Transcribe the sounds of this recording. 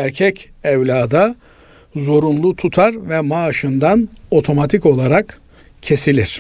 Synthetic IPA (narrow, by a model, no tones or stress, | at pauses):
æɾcʰɛcɛvlʲaːd̪a | zo̞ɾunlˠut̪ʰut̪ʰaɾvɛmaːʃɯnd̪ano̞t̪ʰo̞mat̪ʰiko̞lˠaɾak | cʰːe̞silʲiɾ̥